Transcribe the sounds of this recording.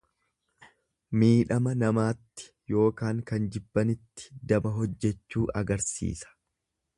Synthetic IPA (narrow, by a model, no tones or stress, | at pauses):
miːᶑɐmɐnɐmaːt̪ːɪ̥ | jo̞ːkaːŋkɐnd͡ʒɪbːɐnɪt̪ːɪ̥d̪ɐbɐɦɔd͡ʒːɛt͡ʃːuːʔɐɡɐɾsḭːsɐ̥